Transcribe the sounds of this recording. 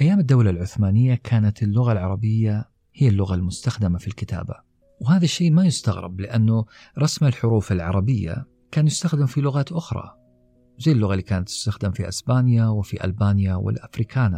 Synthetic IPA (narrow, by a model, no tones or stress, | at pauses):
ʔajːaːmɪd̪ːawlalʕʊθmaːnɪjːakʰaːnat̪ɪlːʊɣalʕɑɾˤɑbɪjːa | hɪjːalːʊɣalmʊst̪axd̪ɪmafilkɪt̪a̰ːba̰ | whaːðaʃːeːʔmajʊst̪aɣɾɪ̰blɪʔanːʊ | ɾˤɑsmɪlħʊɾuːfɪlʕɑ̰ɾˤɑbɪjːa̰ | kaːnjʊst̪axd̪ɪmfilʊɣaːt̪ʔʊxɾˤɑ̰ | wzajːlːʊɣaliːkaːnat̪ːʊ̥st̪axd̪ɪmfiʔɪsbaːnjawɪfiʔa̰lbaːnjawɪ̰lʔafɾiːkaːna